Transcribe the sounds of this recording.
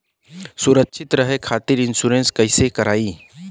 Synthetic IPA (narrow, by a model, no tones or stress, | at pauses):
sʊɾəkʃʰɪt̪ɾəɦekʰaːt̪iɾɪnsuɾẽnskɐɪsekɐɾaːiː